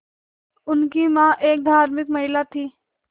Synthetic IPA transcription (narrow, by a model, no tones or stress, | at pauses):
ʊnkimãːʔeːk̚d̪ʱaːɾmɪkmɐɦɪlat̪ʰiː